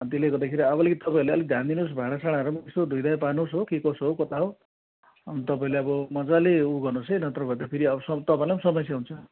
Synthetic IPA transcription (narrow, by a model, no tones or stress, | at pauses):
t̪ileɡʌrd̪akʰeɾiʌbʌlekit̪ʌpaĩleʌlid̪ʱjand̪inusbʱaɽ̃asaɽ̃aɾumaest̪od̪ʱujd̪ajpanosɦokikʌsɦokʌt̪aɦo | nt̪ʌpaĩleʌbʌmʌd͡zaleuɡʌnosejnʌt̪rʌbʱʌt̪apʰiɾiʌbsʌt̪ʌpãĩlemsʌmʌsjaɦunt͡sʰʌ